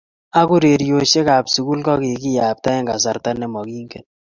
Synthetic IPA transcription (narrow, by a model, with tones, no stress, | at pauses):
a˦ku˦ɾe˨ɾjo˨ʃe˦ka˨psu˨ku˦lkɔ˦kɪ˨kɪ˦ja˨p̚ta˦ɛ˦ŋɡa˨s̬a˨ɾta˦nɛ˦mɔ˨kiː˦ŋke˨n